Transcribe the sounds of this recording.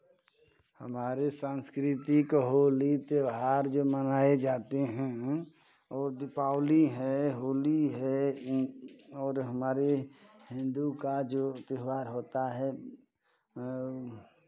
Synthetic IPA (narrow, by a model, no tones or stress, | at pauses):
həmaːɾesãːnskɾɪt̪ikɦoːlit̪eʋɦaːɾd͡ʒoːmənaːed͡ʒaːt̪eɦɛ̃ | ɔːɾd̪ɪpaːʊliɦɛɦoːliɦɛ | ɔːɾɦəmaːɾeɦɪ̃nd̪ukad͡ʒot̪ɦʋaːɾɦoːt̪aɦɛ